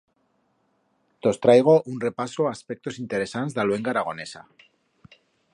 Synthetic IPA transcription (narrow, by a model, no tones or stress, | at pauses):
t̪o̞st̪ɾajɣ̞o̞ʔunre̞pasoaːspe̞k̚t̪o̞sint̪e̞ɾe̞sanzðalwe̞ŋɡaɾaɣ̞o̞ne̞sa̰